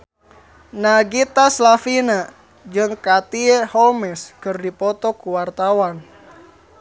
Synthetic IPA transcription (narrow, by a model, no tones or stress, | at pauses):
naɡit̪aslafina | d͡ʒɨŋkat̪iehɔlmɛskɨrdipɔt̪ɔkuwart̪awan